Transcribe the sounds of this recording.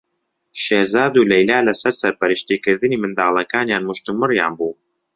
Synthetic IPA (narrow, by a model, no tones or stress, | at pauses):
ʃeːɾzaːd̪ulɛjlaːlɐsɐɾsɐɾpɐɾɨʃt̪iːkɨɾd̪ɨniːmɨnd̪aːlˠɐkaːnjaːnmʊʃt̪umɨrjaːnbuː